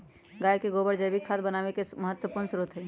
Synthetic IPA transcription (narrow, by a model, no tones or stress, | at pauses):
ɡaːjkeɡoːbəɾd͡ʒəjbikʰat̪bənaːʋekeməɦət̪wəpuːɾnəsɾut̪ɦɛː